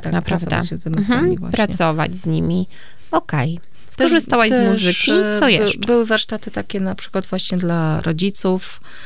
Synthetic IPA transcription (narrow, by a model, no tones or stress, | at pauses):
aknapɾavd̪a̰ɕɛzɛmzamivwa̰pɾaɲɛsɔva̰d͡ʑzɲimʲi | ɔkɛj | sk̪ɔʐɨst̪awajt̪zɛmuzɘkkʲisɔjɛʂbɘwɘvaɾʂt̪at̪ɘt̪akʲɛnapʂɘ̥kwad̪vwaɕɲɛd̪laɾɔd͡ʑit̪suf